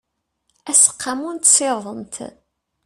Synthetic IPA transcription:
æsə̥qːamunt̪seɾðˤəmt̪

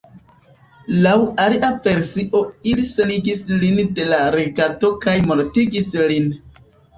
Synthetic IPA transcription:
lawaliʔave̞ɾsiʔo̞ilise̞niɡislinde̞laɾeɡato̞kajmonotiɡislin

